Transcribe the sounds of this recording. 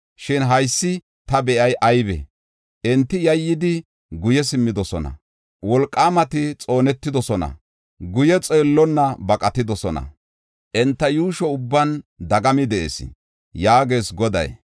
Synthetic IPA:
ʃɪnɦɐjsːɪ | t̪ɐbɛʔɐjʔɐjbɛ̰ | ʔɛnt̪ːɪjɐjːɪd̪ɪ | ɡʊjɛs̬ɪmːɪd̪ɔsɔnɐ̰ | wɔlkʼːaːmɐt̪ɪt͡sʼo̞ːnɛt̪ːɪd̪ɔsɔnɐ̰ | ɡʊjɛt͡sʼeːlːɔnːɐbɐkʼɐt̪ɪd̪ɔsɔnɐ̰ | ʔɛnt̪ːɐjuːʃɔʊbːɐnd̪ɐɡɐmɪd̪ɛʔḛsɪ̰ | jaːɡeːsɡɔd̪ɐ̰j

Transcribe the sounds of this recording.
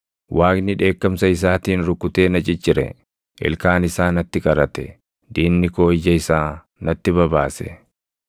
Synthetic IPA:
wʔaːknɪᶑe̞ːkːɐmsɐɪs̬aːt̪iːnɾʊkːʊt̪e̞ːnɐt͡ʃʼɪt͡ʃːɪɾɛ̰ | ʔɪ̰lkaːnɪsaːnɐt̪ːɪkʼɐɾɐt̪ɛ̰ | d̪iːnːɪko̞ːɪjːɐɪsaː | nɐt̪ːɪbɐbaːsɛ̰

